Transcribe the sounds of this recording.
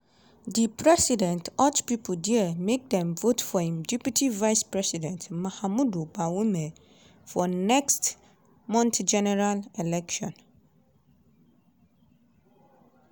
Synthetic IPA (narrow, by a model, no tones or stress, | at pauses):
dipʰɹɛsidɛ̃ntɔt͡ʃpipʰəl̩diəmek̚dɛ̃mvotfɔhĩmdɛpjitʰivaɪspʰɹɛsidɛ̃ntmãhamũdubawumɛ | fɔnɛkst | mɔ̃ntd͡ʒɛnɛɹalɛlɛkʃɔ̃n